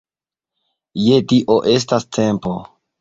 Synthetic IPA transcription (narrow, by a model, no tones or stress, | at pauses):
jetiʔoʔe̞s̬tastʰe̞mpo